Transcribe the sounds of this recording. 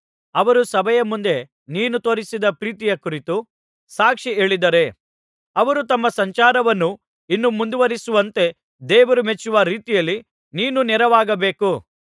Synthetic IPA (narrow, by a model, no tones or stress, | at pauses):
ɐʋɐɾusɐbʱɐjɐmːund̪e̞ | niːnut̪o̞ːɾisid̪ɐpɾiːt̪ijɐkuɾit̪u | saːkʂie̞ːɭid̪ɐɾe̞ | ɐʋɐɾut̪ɐmːɐsɐɲt͡ʃaːɾɐʋɐnːu | inːumund̪uʋɐɾisuʋɐnt̪e̞ | d̪eːʋɐɾumet͡ʃːuʋɐɾiːt̪ijɐlːi | niːnunɛɾɐʋaːɡɐbe̞ːku